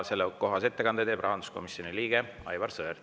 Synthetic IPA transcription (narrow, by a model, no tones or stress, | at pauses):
se̞lːeko̞ɦɑse̞t̪ːekɑnd̪et̪e̞ːb̥rɑɦɑnd̪u̥sko̞̰misjo̞niliːɡ̥e | ɑ̰jvɑrsøːr